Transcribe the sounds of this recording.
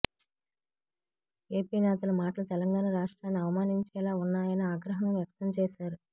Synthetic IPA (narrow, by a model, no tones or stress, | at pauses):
e̞ːpiːnɛːt̪̬ɐlɐmaːʈɐlut̪ɛlɐŋɡaːnɐɾaːʂʈɾaːnːiɐʋɐmaːniɲt͡ʃɛːlaːunːaːjɐniaːɡɾɐɦɐmʋjɐk̚t̪ɐmt͡ʃɛːʃaːɾu